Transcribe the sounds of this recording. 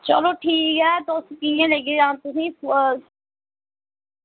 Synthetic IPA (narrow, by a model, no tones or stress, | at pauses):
t͡ʃə̰loʈʰiːkɛːt̪oːskijẽleɡeãːt̪ʊsĩː